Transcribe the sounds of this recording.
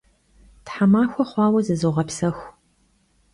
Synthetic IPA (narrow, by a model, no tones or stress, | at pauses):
tħamaːxʷɔχʷɑːwɐzɨzɨʁɐpsɐxʷ